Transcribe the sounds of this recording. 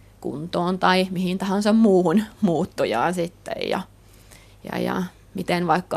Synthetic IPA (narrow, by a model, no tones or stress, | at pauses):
kṵnt̪oːnt̪ɑimihint̪ɑhɑnsɑmmuːhunmuːt̪ːujɑ̰ːnsit̪ːḛjjɑ̰ | jɑ̰jɑ̰ | mit̪enʋɑikːɑ